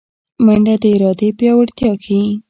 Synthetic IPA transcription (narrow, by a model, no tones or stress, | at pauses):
maɳɖad̪əɪɾɑd̪epjɑwaɽt̪jɑkʰawi